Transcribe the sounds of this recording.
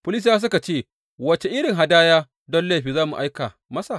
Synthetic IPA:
pʊ˦lɪ˦s̬jaː˦s̬ʊ˦ka˨t͡ʃeː˦˨ | wɐ˦t͡ʃe˨ʔɪ˦ɽɪ˨ŋɦa˦daː˦jaː˦ | dɔ˦nla˦ɸiː˨zaː˦mu˨ʔa˦jka˨ | mɐ˦sa˨

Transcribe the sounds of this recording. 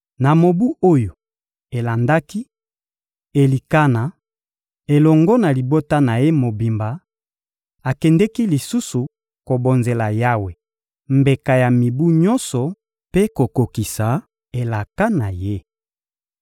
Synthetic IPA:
na˨mo˨bu˦o˦jo˨ | e˨la˨nda˦ki˦ | e˨li˨ka˦na˨ | e˨lɔ˨ŋɡɔ˦na˨li˨bo˦ta˦na˨je˦mo˨bi˨mba˨ | a˨kɛ˨ndɛ˦ki˦li˨su˦su˨ | ko˨bo˨nze˨la˨ja˦we˨ | mbe˨ka˨ja˨mi˨bu˦ɲɔ˦nsɔ˨ | pe˦ko˨ko˨ki˨sa˨ | e˨la˨ka˦na˨je˦

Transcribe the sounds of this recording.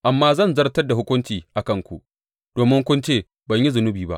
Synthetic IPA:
ʔa˨mːaː˦zɐ˦˨nzɐ˦rtɐ˦rda˨hʊ˦kʷʊ˦nt͡ʃiː˨ʔa˨kɐ˦˨ŋkʷṵ˨ʔ | d̥oː˨mɪ˦ŋkʷʊ˦nt͡ʃeː˦˨ | bɐ˨ɲji˦zʊ˨nʊ˦biː˨ba̰˦ʔ

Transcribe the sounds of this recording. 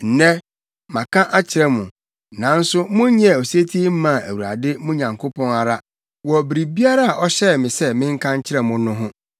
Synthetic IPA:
n̩˨nɛ̃˦ | mã˨kʰã˦ʔa˦t͡ɕʰɪ˦ɾɛ˦mʊ̃˨ | nã˨˦n̩˦sʊ˦mʊ̃˦ɲ˦ɲɛ̃˦˨o˨si˦e˦tʰi˦m̩˦mã˨æ̰˨wu˨ɾa̰˨dɪ˦mʊ̃˦ɲã˨ŋkʰo˦pʰɔ̃˦na˨ɾa˦ | wɔ˨bɾi˨bi˦a˦ɾa˦a˨ʔɔ˦ɕɛ˦˨mɪ̃˨sɛ˦mɪ̃˦ŋ̩˦kʰã˦ɲ̩˦t͡ɕʰɪ˦ɾɛ˨mʊ̃˨nʊ̃˦ɦʊ̃˦

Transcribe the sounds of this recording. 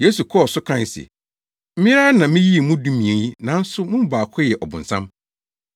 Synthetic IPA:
je˦su˨kʰɔ˦˨sʊ˦kʰɾã˦˨n˨sḭ˨ | m̩˦ĩ˦ɾa˦nã˨mĩ˦ji˦e˨mũ˦dũ˦mĩ˨e˨ji˦nã˨˦n̩˦sʊ˦mʊ̃˦m̩˦baː˨kʰɔ˦jɛ˨ʔɔ˨bʊ̰̃˨n̩˨sã̰˦m

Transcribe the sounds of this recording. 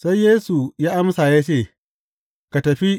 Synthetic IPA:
sa˦jjeː˦su˨jaː˦ʔa˦msaː˨ja˦t͡ʃeː˦˨ | ka˨tɐ˨ɸi˦

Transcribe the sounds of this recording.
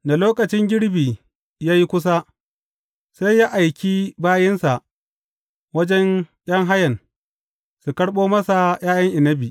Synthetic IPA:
da˨loː˦kɐ˨t͡ʃɪ˦ŋɡʲɪ˦ɽbiː˨ | jaː˦ji˦kʷʊ˦s̬a˦ | sa˦jːaː˦ʔa˨jkʲiː˦baː˦jɪ˦nsa˨ʔ | wɐ˦d͡ʒɛ˦ɲj̰ʲɐ˦ŋɦa˦jɐ˨n | su˨kɐ˦ɽɓoː˦mɐ˦sa˨j̰aː˦jɐ˦ŋʔa˨nːɐ˦biː˨ʔ

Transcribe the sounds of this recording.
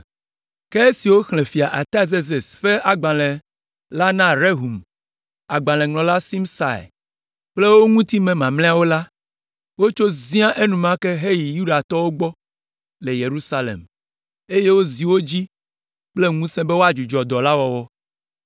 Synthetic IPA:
ke˦e˦si˨wo˦xl̃ẽ˨fi˨a˨ʔa˨t̪a˦ze˦ze˨sɸe˦ʔa˨ɡ͡bã˨lẽ˨ | la˦nã˦ɾe˦ɦu˨m | a˨ɡ͡bã˨lɛ̃˨ŋlɔ̃˨la˦si˦msa̰˨j̰ | k͡ple˦wo˦ŋũ˦t̪i˦mẽ˨mã˨mlẽ˦a˦˨wo˦la˦ | wo˦t͡ʃo˦zĩ˦ã˦ʔe˦nũ˨mã˦ke˦ɦe˦ji˨ju˦ɖa˨t̪ɔ˦wo˦ɡ͡bɔ˦ | le˨je˨ɾu˦sa˦lḛ˨m | e˦je˦wo˦zi˨wo˦d͡ʑi˦ | k͡ple˦ŋũ˦sẽ˦be˦wo˦a˨d͡ʒu˨d͡ʒɔ˨d̪ɔ˨la˦wɔ˦wɔ˦

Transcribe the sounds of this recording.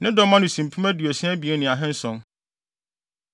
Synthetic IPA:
nɪ̃˦dɔ˦mã˦nu˨sĩ˨m̩˨pʰũ˦mæ˦du˨ɛ˨sɛ̃˦æ˦bi˨ɛ˦nɪ̃˨a˨ɦɛ̃˦n̩˦sɔ̃˨n

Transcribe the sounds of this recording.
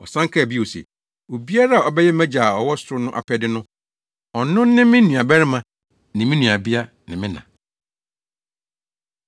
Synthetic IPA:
ɔ˨sã˦ŋ˦kʰa˦˨bi˦o˨sḛ˨ | o˨bi˦a˦ɾa˦a˨ɔ˨bɛ˦jɛ˦mæ̃˦d͡ʑa˨ɔ˨wɔ˦sʊ˨ɾʊ˦nʊ̃˦ʔa̰˨pʰɛ˦dɪ˦nʊ̃˦ | ɔ˨nʊ̃ː˦ɪ̃˦mɪ̃˦nũ˨a˨bɛ˦ɾɪ˦mã˨ | nɪ̃˨mɪ̃˦nũ˨a˨bi˦a˦ | nɪ̃˨mɪ̃˦nã̰˨

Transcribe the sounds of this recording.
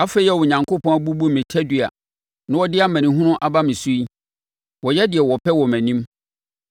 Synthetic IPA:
a˦fe˦ɛ˦wɔ˨ɲã˨ŋkʰo˦pʰɔ̃˦a˦bu˦bu˦˨mɪ̃˨tʰɛ˦dɥa̰˨ | nã˦wɔ˦dɪ˦a˦mæ̃˨nĩ˨ɦũ˦nʊ̃˦ʔa˦˨ba˦mɪ̃˨su˦i˦ | wɔ˨jɛ˦dɪ˨ɛ˨wɔ˨pʰɛ˦wɔ˨mæ̃˨nĩ˦m

